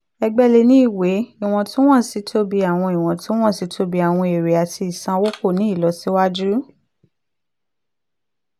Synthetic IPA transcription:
ɛ˧ɡ͡bɛ˦˧le˧nĩ˦i˦˨we˨˦i˦˨w̃ɔ̃˨˧tũ˦w̃ã˦˨si˨˦tʰo˦bi˧a˨w̃ɔ̃˧i˨w̃ɔ̃˨tũ˦w̃ɔ̃˦˨si˨˦tʰo˦bi˧a˨w̃ɔ̃˧e˨ɾe˨a˨tʰi˧i˨sã˧wo˦ko˦˨nĩ˨˦i˦˨lɔ˨˧si˦wa˦d͡ʒu˦

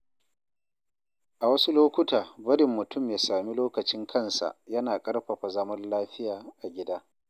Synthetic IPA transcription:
ʔa˨wɐ˦su˦loː˦kʷʊ˦taː˨bɐ˦ɽɪ˨mːʊ˨tʰʊ˦mjaː˨saː˨mi˦loː˦kɐ˨t͡ʃɪ˦ŋkʰɐ˦˨nsa̰˨jɐ˦naː˨kʼɐ˦rɸɐ˨ɸa˨zɐ˦mɐ˦nlaː˦ɸɪ˦jaː˨ʔa˨ɡʲɪ˦daː˦

